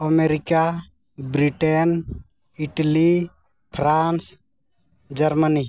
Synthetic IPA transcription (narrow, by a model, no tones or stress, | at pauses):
əmeɾika | bɾiʈen | iʈəli | pʰɾans | d͡ʒəɾməni